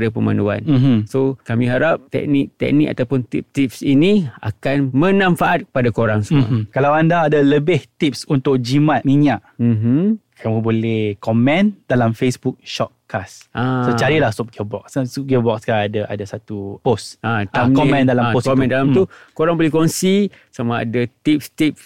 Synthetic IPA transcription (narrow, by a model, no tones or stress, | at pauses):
dapəmã̰ndua̰nm̩msokamĩɦaɾap̚t̪ɛ̰k̚nik̚t̪ɛ̰k̚nika̰t̪awpʊnt̪ḭp̚t̪ip̚sinia̰kanmə̃nãmfaʔat̪̚kə̥padakoɾaŋsmkalawandaːdaləbɪht̪ip̚sunt̪ʊk̚d͡ʒimãt̪̚miɲaʔm̩ɦkʰamũbolɛhkɔmɛ̃nd̥alamfesbuk̚ʃɔt̪̚kasʔasət͡ʃaɾilahsup̚ɡəbɔk̚ssup̚ɡɛbɔk̚skaaadaʔa̰dasat̪uposatakɔɛ̃ndalamoskomɛ̃ndalamt̪ukoɾaŋbolɛhkoŋsi | samaa̰dat̪ip̚st̪ip̚s